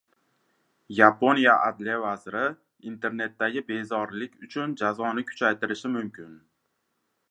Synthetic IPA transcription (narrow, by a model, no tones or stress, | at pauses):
japo̞nijaʔa̰d̪lijavazɪɾɪ | int̪ʰe̞ɾne̞t̪ːaɡʲɪbe̞zɒɾlɪkʲʰʊt͡ʃʰʊnd͡ʒazɒnɪkʰʊ̥t͡ʃʰajt̪ɪɾɪʃɪmʊmkʰʲɪn